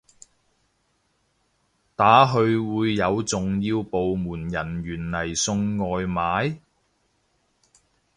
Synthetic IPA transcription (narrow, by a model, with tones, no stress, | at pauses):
t̪aː˨˥ɦɵ˧ɥwuː˨˧jːɐ˨˧wt͡sʊ˨ŋjiː˧wpo˨wmuː˨˩njɐ˨˩nɥyː˨˩nlɐ˨˩jsɵ˧ŋːɔː˨jmaː˨˥j